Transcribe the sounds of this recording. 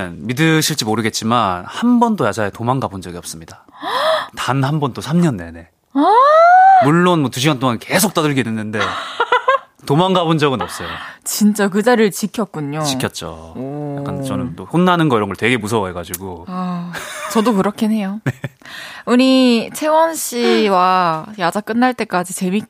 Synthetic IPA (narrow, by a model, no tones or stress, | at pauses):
nmidɯɕʰiɭt͡ɕ͈imoɾɯɡe̞t̚t͡ɕ͈imanhambʌndojad͡ʑaetomaŋɡabond͡ʑʌɡiʌp̚s͈ɯmɲida | tanhambʌnd͈osʰamɲʌnːe̞ne̞ | muɭːonmwʌtuɕ̬ʰiwant͈oŋanke̞sʰok̚t͈adɯɭɡinenːɯnde̞ | tomaŋɡabond͡ʑʌɡɯnʌp̚s͈ʌjot͡ɕint͡ɕ͈ak̬ɯd͡ʑaɾɯɭt͡ɕikʰjʌk̚k͈uɲot͡ɕiʌt̚t͡ɕ͈o̰oja̰k͈ant͡ɕʌnɯnt͈ohonːanɯnɡʌiɾʌnɡʌɭtwe̞ɡe̞musʰʌwaɦeɡad͡ʑiɡoat͡ɕʌdokɯɾʌkʰene̞jone | uɲit͡ɕʰe̞wʌnɕ͈iwajad͡ʑak͈ɯnːaɭt͈e̞k͈ad͡ʑit͡ɕe̞mik̚